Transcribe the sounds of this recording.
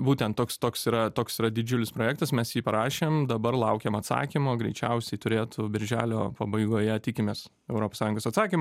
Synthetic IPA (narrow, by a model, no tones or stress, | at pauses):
buːt̪ʲɛnt̪t̪oːkst̪oːksiːɾɐt̪oːksiːɾɐd̪ʲɪd͡ʒʲʊlʲɪspɾoːjɛkt̪ɐsmʲɛsjiːpɐɾɑːʃʲeːmd̪ɐbɐrlˠɐʊkʲeːmɐt̪sɑ̰ːkʲimoːɡɾʲɛɪt͡ʃʲɛʊsʲɛɪt̪ʊɾʲeːt̪ʊbʲɪɾʲʒʲæːlʲo̰ːpɐbɐɪɡoːjɛt̪ʲɪkʲɪmʲeːs | ɛʊɾoːpoːsɑːjʊŋɡoːsɐt̪sɑːkʲimo